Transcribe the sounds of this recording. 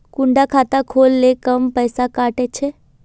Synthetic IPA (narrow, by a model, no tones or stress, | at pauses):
kuɳɖakʰaːt̪akʰoːlːekəmpəjsakaːʈet͡ʃʰe